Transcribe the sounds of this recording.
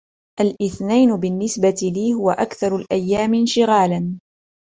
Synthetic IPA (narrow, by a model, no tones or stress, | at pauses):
ʔalʔɪθnajnʊbɪnːɪsbat̪ɪliːhʊwaʔakθɑɾˤʊlʔajːaːmɪnʃɪɣaːlan